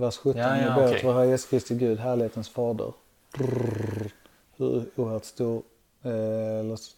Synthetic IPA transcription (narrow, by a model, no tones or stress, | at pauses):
væʂɧɵt̪ːɔnɛbeːvɔɦɑjɛskʰɾɪst̪ɪɡʉ̟ːd̪ɦæːɭɪheːt̪ənsfɑːd̪ə̰ɾ | hɵ̰ɾuːhət̪st̪uːɾ | ɛlːə